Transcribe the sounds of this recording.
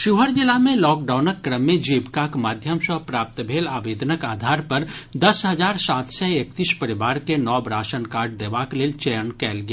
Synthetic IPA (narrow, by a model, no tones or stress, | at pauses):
ʃuɦəɾd͡ʒɪlːamẽlɔːk̚ɖaːʊnəkːɾəmːẽd͡ʒiːbkakmaːd̪ʱjəmʃəpɾaːp̚t̪bʱeːlaːʋeːd̪nəkaːd̪ʱaːɾpɐɾd̪ɐsɦɐzaːɾsaːt̪seekt̪iːʃpəɾɪʋaːɾkenɔːbɾaːʃənkaːɾɖd̪eːʋakleːlt͡ʃɛjənkɛːlɡɪjaː